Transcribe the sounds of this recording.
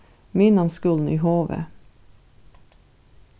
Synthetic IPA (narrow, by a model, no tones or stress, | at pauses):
mɪnɑnskʉln̩ḭːhoːʋḛː